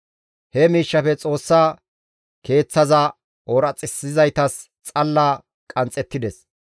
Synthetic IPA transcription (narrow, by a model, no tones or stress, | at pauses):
hɛmiːʃːɐfɛt͡sʼo̞ːsːaː | ke̞ːt͡sːɐzɐ | oːɾɐt͡sʼɪsɪzɐjt̪ɐs | t͡sʼɐlːaː | kʼɐnt͡sʼːɛt̪ːɪd̪ɛs